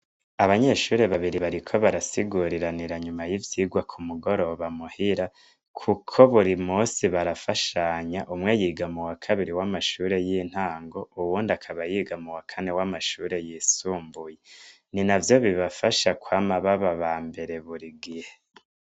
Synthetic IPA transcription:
aβaɲe̞ʃuːɾe̞βaβiɾiβaɾikʰo̞βaɾasiɡuɾiɾaniɾaɲumajivjiːɡwakʰumuɡo̞ɾo̞βamuhiɾa | kʰukʰo̞βuɾimuːsiβaɾafaʃaɲaʔumŋe̞jiɡamuwakʰaβiɾiwamaʃuːɾe̞jiːn̥haːŋɡo̞uwuːndakʰaβajiɡamuwakʰane̞wamaʃuːɾe̞jisuːmbuje | ninavjo̞βiβafaʃakwaːmaβaβaβaːmbe̞ɾe̞βuɾiɡihe

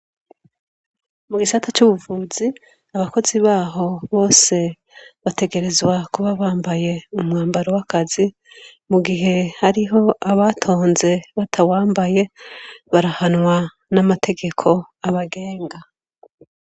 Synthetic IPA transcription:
muɡisatʰat͡ʃuβuvuzi | aβako̞ziβaːɦo̞βo̞ːse̞ | βate̞ɡe̞ɾe̞zwakuβaβaːmbaje̞umŋaːmbaɾowakazi | muɡiɦe̞haɾiɦo̞aβatʰo̞ːnze̞βatʰawaːmbaje̞βaɾahanŋwa | namatʰe̞ɡe̞kʰo̞ | aβaɡeːŋɡa

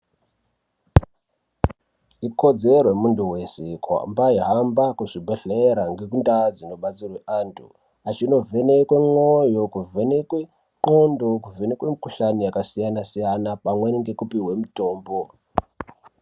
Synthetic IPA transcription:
iko̞d͡ze̞rwemunduwe̞sekua̰mbaiɦambakuʐibʱeɬeɾaŋɡe̞kundad͡zino̞ɓat͡sirweʔaːntʰṵ | at͡ʃino̞vʱe̞ne̞kwemwo̞jo̞kuvʱe̞nekwe | kondo̞kuve̞ne̞kwemikuɬanijakasijanasijanapamweŋɡe̞kupiwe̞muto̞ːmbo̞

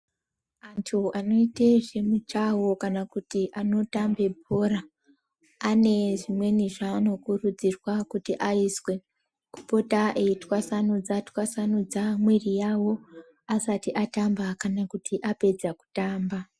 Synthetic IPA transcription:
antʰuano̞iteʐe̞mut͡ʃawo̞kanakutiʔano̞tambe̞bʱoraː | ne̞ʐimwe̞niʐano̞kurud͡zirwakutiʔaiswe̞ | ku̥po̞taʔe̞itwasanod͡zatwasanod͡zamwirijawo̞ | asatiʔatambakanakutʰiʔape̞d͡zaku̥taːmba

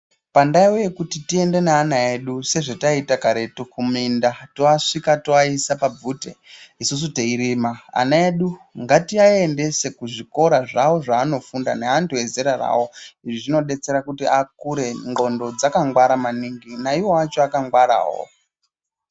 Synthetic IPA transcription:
pandaiwoje̞kutitie̞nde̞naːnae̞ɗuse̞ʐetaitakaɾe̞tukumindatoaʂikatoaisapab͡vutḛisus̬uteiɾimaa̰naeɗuŋɡatiaende̞se̞kuʐiko̞ɾaʐawo̞ʐaːno̞funda̰neantue̞zeɾara̰wo̞iʐiʐino̞ɗe̞t͡se̞ɾakutiakuɾe̞ŋɡo̞ndo̞d͡zakaŋɡwaɾamaniŋɡinaiwo̞at͡ʃo̞akaŋɡwaɾa̰ːɦo̰

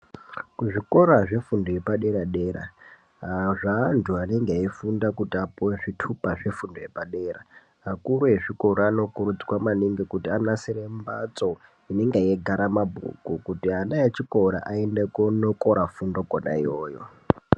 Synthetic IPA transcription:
kuʐiko̞ɾaʐe̞fundojepaɗeɾaɗeɾa̰ | aʐaːntʰuane̞ŋɡeifundakutiapuweʐitʰupaʐe̞fundoje̞paɗeːɾa | akuɾueʐikoɾaano̞kurud͡zi̥kwamaniŋɡekutianasiɾemba̰t͡so | ineŋɡeeɡʱaɾamabʱṵkukutianajat͡ʃikʼoɾa̰ʔaendekonokʼoɾafundokona̰ḭjoːjo̰

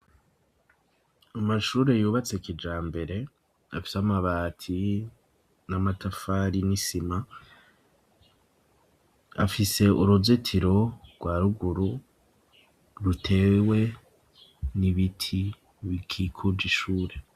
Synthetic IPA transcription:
amaʃuːɾejuːβat͡sekid͡ʒaːmbe̞ɾe̞ | afi̥samaβaːtʰi | namatafaɾinisima | a̰fise̞ʔuɾuzetʰiɾo̞ɡ̥waɾuɡuɾu | ɾutʰe̞ːwe̞ | niβitʰi | βikʰikʰud͡ʒiʃuːɾe̞

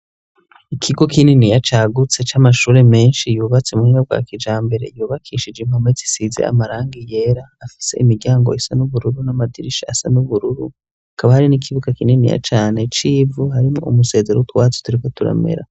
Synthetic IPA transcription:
ikʰiɡo̞kininijat͡ʃaːɡut͡se̞t͡ʃamaʃuːɾe̞me̞ːnʃijuːβat͡semuhiab̚ɡwa̰ːkid͡ʒaːmbe̞ɾe̞̰juːβakʰiʃid͡ʒem̥hamwezi̥size̞̰a̰maɾaːŋɡije̞ɾaːfi̥se̞̰ʔimiɟaːŋɡo̞isanuβuɾuɾunamadiɾiʃaasanuβuɾuɾu | hakaβahaɾinikʰiβuɡakininḭja̰t͡ʃaːne̞t͡ʃivuhaɾimŋo̰umuse̞ːze̞ɾoutuwaːt͡so̥tuɾikotuɾa̰me̞̰ɾa̰

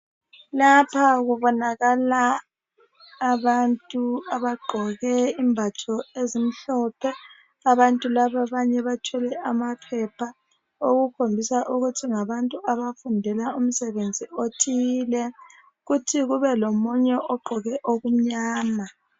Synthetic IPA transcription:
lapʰaɣuβɔnaɣala | βantʼuaβaɡ͡ǃʱɔɣɛimbʱatʰɔezim̩ɬɔːpʰɛ | aβantʼulaβaβaɲɛβatʰɛlɛʔamapʰɛpʰa | oɣukʰombʱisaʔuɣutʰiŋaβantʼuaβafundʱɛlaum̩sɛβend͡zʱiotʰilɛ | ɣutʰiɣuβɛlomuɲɛʔɔɡ͡ǃʱɔɣɛʔoɣum̩ɲaːma

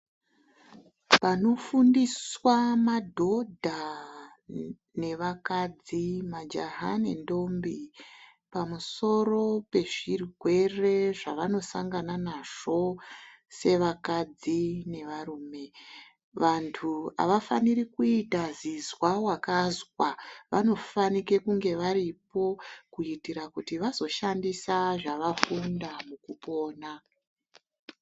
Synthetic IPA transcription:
pano̞fundiswamadʱo̞dʱa | ne̞ʋakad͡zimad͡ʒa̰ɦa̰ne̞̰ndo̞mbi | pamuso̞ro̞pe̞ʐiriɡʱwe̞re̞ʐaʋano̞saŋɡananaʐ̥o̞ | se̞ʋakad͡zine̞ʋaruːme̞ | ʋantʰua̰ʋafaniɾikuitazizwawakazwaʋano̞fanike̞kuŋɡe̞ʋaɾipo̞kuitiɾakutiʋazo̞ʃandisaʐaʋafundamukupo̞ːna

